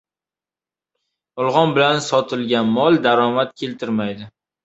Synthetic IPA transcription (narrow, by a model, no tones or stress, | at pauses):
ɒlˠʁɒnbɪlansɒt̪ʰɪlɡʲanmɒlˠd̪aɾɒmat̪̚kʲʰe̞lt̪ʰɪɾmajd̪ɪ